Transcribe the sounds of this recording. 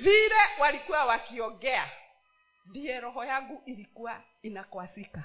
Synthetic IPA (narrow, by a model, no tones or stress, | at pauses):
viɾɛwaɾikuawakiɔɡɛa | diɛɾɔɦɔjaɡuʔiɾikua | inakwasika